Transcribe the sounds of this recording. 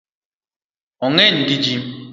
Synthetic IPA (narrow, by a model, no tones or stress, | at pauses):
ɔŋen̩ɡid͡ʒim